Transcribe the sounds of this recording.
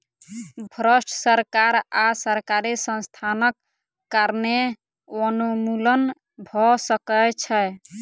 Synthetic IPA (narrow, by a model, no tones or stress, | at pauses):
bʱɾəsʈʰsəɾkaɾasəɾkaɾisə̃nst̪ʰanəkː | aɾne | ənumulən | bʱɔsəkət͡ʃʰɛ